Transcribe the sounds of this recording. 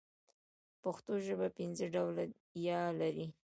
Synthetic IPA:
paxt̪oʒəbapɪnzəɖawla | jɑlaɾi

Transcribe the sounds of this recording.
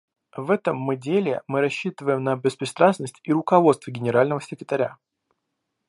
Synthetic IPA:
vɛt̪əmːɨdʲelʲɪ̰mɨɾɐɕːit̪əvəjɪmnəbʲɪspɾʲɪst̪ɾasnəsʲtʲiɾʊkɐvo̞t̪st̪vəɡʲɪnʲɪɾalʲnəvəsʲɪkɾʲɪt̪ɐɾʲa

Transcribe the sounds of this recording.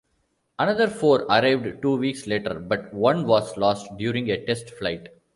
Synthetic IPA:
ʔɐnʌd̪əɾfoːɾɐɾaɪʋɖʈuːʋiːksleːʈə̰ɾbʌʈʋʌ̃nʋɔːzlɔːsʈɖjuːɾɪ̃ŋɡeʈesʈflaɪʈ

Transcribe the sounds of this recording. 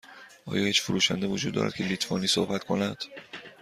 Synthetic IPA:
ʔɒ̰ːjɒːhiːt͡ʃfuɾuːʃænd̪evod͡ʒuːd̪ːɒ̰ːɾæ̰d̪̚cʰe̞liːt̪ʰvɒːniːsohbæt̪kʰo̞næd̪̥

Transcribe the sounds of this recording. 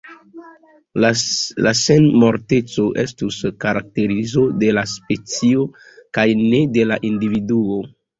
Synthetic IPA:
la̰senmo̞ɾte̞t͡so̞ʔe̞stuskaɾak̚te̞ɾizo̞de̞laspe̞t͡sio̞ | kajne̞de̞laʔindividuo

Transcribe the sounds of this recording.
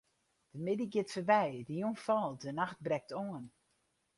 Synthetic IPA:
d̥əmɪdiɡɪtfəbɛjdəjunfɔlˠdənaxt̚brɛk̚tʰoən

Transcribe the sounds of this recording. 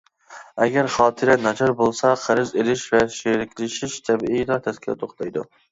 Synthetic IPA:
ɛɡʲɛɾχɑːt̪ʰɨɾɛnɑt͡ʃʰɑɾbolˠsɑqʰəɾɪzelɪʃvɛʃeɾɪkʲlɪʃiʃt̪ʰɛbijdɑt̪ʰɛskʲʰilɪ̰t̪ʰoχt̪ɑjd̪ṵ

